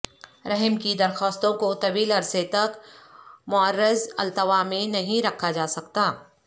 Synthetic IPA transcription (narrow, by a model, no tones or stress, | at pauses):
ɾɛɦəmkid̪ɐɾxɔːst̪õkot̪ɐʋiːlɐɾset̪ɐk | mʊəɾːɪzɐlt̪əʋamẽnɐɦĩɾɐkʰːad͡ʒaːsɐk̚t̪aː